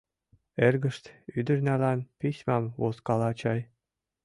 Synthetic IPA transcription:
erɡə̆ʃt̪yd̪ə̆rnælænpisʲmɑmvoskɑlɑt͡ɕɑj

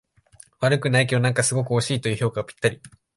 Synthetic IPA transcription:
βaɾɯ̟kɯ̟naik̬ʲed̪onãŋkasɨɡo̞kɯ̟oɕiːt̪o̞jiɯ̟ço̞ːkaopʲi̥t̪ːaɾʲi

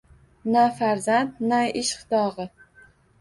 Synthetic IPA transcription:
nafaɾzant̪najʔɪʃχɨ̥t̪ɒʁɨ

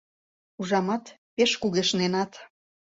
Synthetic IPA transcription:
uʒɑmɑt̪peʃkuɣeʃnenɑt̪

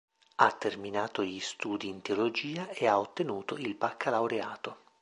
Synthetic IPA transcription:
at̪ːerminaːt̪oʎist̪uːd̪iːnt̪eolod͡ʒiːaeaot̪ːenuːt̪oilpakʰːalawɾeaːt̪o

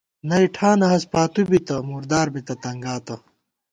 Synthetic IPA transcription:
nɐiʈʰaːnɐɦɐspaːt̪ubit̪ɐmuːɾd̪aːɾbit̪ɐt̪ɐŋɡaːt̪ɐ

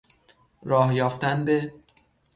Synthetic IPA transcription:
ɾɒːhjɒːft̪ænbe

